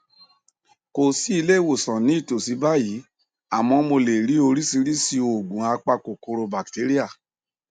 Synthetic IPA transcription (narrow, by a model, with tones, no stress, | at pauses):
ko˨si˦i˧le˦˨wo˨sɔ̃˨nĩ˨˦i˦˨to˨si˨˦ba˦ji˨˦ | a˨mɔ̃˧mo˧le˨ɾi˨˦o˧ɾi˦si˧ɾi˦si˧o˨ɡ͡bũ˨a˧k͡pa˧ko˨ko˧ɾo˧ba˨kte˨˦ɾi˦a˦˨